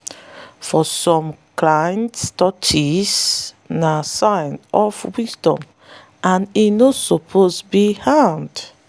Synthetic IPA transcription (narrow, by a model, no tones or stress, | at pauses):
fɔsɔ̃mkʰlãjnstɔtʰis | nasãɪnɔfwisdɔ̃m | ʔãninosɔpʰozbihãnd